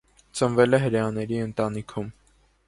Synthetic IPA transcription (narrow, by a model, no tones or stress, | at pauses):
t͡sənvɛlɛɦəɾɛɑnɛɾiənt̪ɑn̪ikʰum